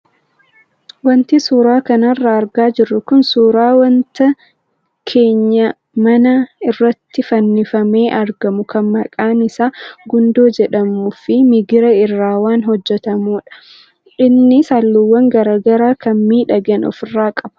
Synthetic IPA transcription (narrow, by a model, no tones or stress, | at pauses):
wɐnt̪isuːɾaːkɐnɐrːaːɾɡaːd͡ʒɪrːʊkʊnsuːɾaːwɐnt̪ɐ | kʰeːɲːɐ | mɐnɐɪrːɐt̪ːɪfɐnːɪfɐme̞ːʔɐɾɡɐmʊkɐnmːɐkʼaːnɪsaːɡʊnd̪oːd͡ʒɛᶑɐmʊfɪmɪɡɪɾɐɪrːaːwaːnɦɔd͡ʒːɛt̪ɐmuːᶑɐ̥ | ᶑɪnːɪsaːlːʊwːɐŋɡɐɾaːɡɐɾaːkɐnmiːᶑɐɡɐnɔ̰fɪrːaːkʼɐb